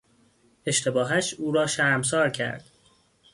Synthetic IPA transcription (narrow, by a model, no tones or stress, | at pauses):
e̞ʃt̪ʰe̞bɒːɦæʃuːɾɒːʃæɾms̬ɒːɾcʰæ̰ɾd̪̥